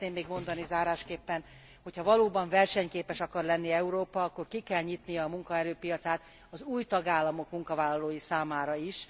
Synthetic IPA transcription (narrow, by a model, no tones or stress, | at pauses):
t̪neːmːeːɡmo̞nd̪ɒnizaːɾaːʃkeːpːɛn | ho̞chɒvɒloːbɒɱvɛrʃɛɲkeːpɛʃɒkɒrlɛnːiɛuɾoːpɒɒkːo̞rkikɛlɲit̪nijɒːmuŋkɒɛɾøːpijɒt̪saːt̪ | ɒzuːjt̪ɒɡaːlːɒmo̞kmuŋkɒvaːlːɒloːjisaːmaːɾɒiʃ